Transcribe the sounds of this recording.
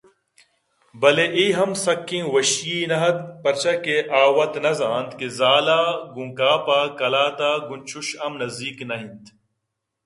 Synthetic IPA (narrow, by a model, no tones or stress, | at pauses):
bɐleʔiːɦɐmsɐkːĩːwɐɕjiːnɐɦɐt̪̚pɐɾt͡ʃɐkeʔaːwɐt̪nɐzaːnt̪kezaːlaːɡũŋkaːpaːkɐlaːt̪aːɡunt͡ʃuɕɐmnɐzd̪iːknɐɦĩnt̪